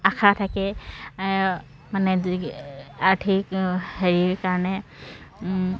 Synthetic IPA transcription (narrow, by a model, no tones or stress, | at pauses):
akʰatʰakɛ | manɛ | aɹtʰikheɹikaɹnɛ